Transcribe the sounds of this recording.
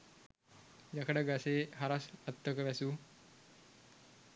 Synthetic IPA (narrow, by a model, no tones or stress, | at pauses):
jakəɖəɡaseːɦaɾasɐt̪ːəkəʋæsu